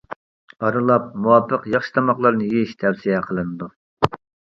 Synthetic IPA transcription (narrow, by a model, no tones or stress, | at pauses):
ɑɾɨlˠɑp̚muwɑpʰəqjɑχʃi̥t̪ʰɑmɑχlˠɑɾnɨjiʃt̪ʰɛwsijɛqʰəlˠɨnɨd̪u